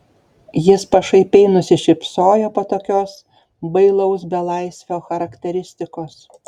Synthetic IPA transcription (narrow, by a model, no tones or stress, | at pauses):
jɪspɐʃɐɪpʲɛɪnʊsʲɪʃʲɪpsoːjoːpoːt̪oːkʲoːs | bɐɪlˠɐʊsbʲɛlˠɐɪsʲʋʲoːxɐɾɐkt̪ʲɛɾʲɪsʲt̪ʲɪkoːs